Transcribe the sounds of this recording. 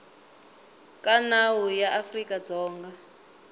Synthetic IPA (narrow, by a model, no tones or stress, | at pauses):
kʼanawujaʔafrikad͡zɔːŋɡa